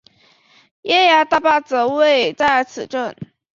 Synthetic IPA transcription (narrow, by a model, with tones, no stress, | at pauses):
jɛ˥ja˧˥t̪a˥˧pa˥˩t͡sə˧˥we˥˩ɪt͡sa˥˩ɪə˧˥t͡sʰɹ̩̰˨˩ʈ͡ʂə˥˩n